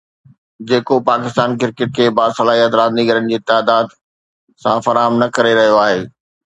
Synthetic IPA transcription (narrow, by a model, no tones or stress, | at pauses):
d͡ʑeːkopaːkɪst̪aːnk̬ɪɾkɪʈ̚kʰeːbaːsɐlaːɦijət̪ɾãːziɡɐɾənɪ̆d͡ʑiːt̪aːd̪aːd̪ | sãfɐɾaːɦəmnɐkɐɾeɾɐɦijoaːɦeː